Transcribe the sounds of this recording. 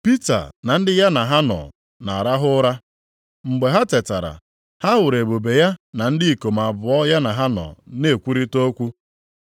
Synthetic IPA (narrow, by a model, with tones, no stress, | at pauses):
pi˦ta̰˨na˨n̩˦dɪ˦ja˦na˨ɦa˦nɔ̰˨ | na̰˨a˨ɾa˦ɦʊ˦ɾa˦ | ŋ͡m̩˨ɡ͡be˨ɦa˦te˨ta˨ɾa̰˨ | ha˦wʊ˨ɾe˨bo˨be˨ja˦na˨n̩˦dɪ˦i˨ko˨m˨a˨bʊ˨ɔ˦ja˦na˨ɦa˦nɔ̰˨ne˦˨kʷu˦ɾi˦to˦kʷu˦